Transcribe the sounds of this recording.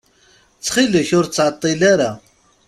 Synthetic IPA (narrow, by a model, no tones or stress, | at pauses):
t͡sːχiləçʊɾt͡sːʕət̪ˤːilaɾa